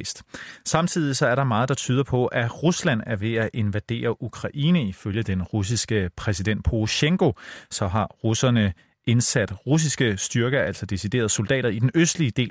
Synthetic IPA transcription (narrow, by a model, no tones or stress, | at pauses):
sd̥sɑ̈mt͡sʰið̰ˠisɒ̽æɐɾɑ̈mɑ̈ːð̩ˠd̥ɑ̈t͡sʰyːðˠɐpʰɒ̽ʔæʁuslæn̰æɐʋe̝æʔe̝nʋæd̥e̝̰ːɐʔukʰʁɑ̈ʔiːnəiføljəd̥enʁus̬isɡ̥əpʰʁɛsid̥en̰d̥pʰoɕeŋɡo̝sɒ̽ɦɑ̈ʁusɐnə | ʔe̝nsæd̥ʁus̬isɡ̥əsd̥yɐɡ̥ɐæl̰sɒ̽d̥e̝sid̥e̝̰ːɐð̞̩ˠsold̥ɛ̰ːɾ̥ɐid̥enøsd̥liəd̥e̝̰ː